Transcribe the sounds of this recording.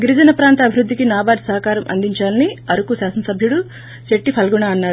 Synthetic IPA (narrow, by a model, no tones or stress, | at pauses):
ɡiɾid͡ʒɐnɐpɾaːnt̪ɐbʱiɾud̪ʱːikinaːbaːʈ̪sɐɦɐkaːɾɐmʔɐ̰nd̪ʱiɲt͡ʃaːlɐniɐɾukusjaːsɐnɐsɐbʱjuɽu | t͡ʃeʈːipʰɐlɡuɳaːɐnːaːɽ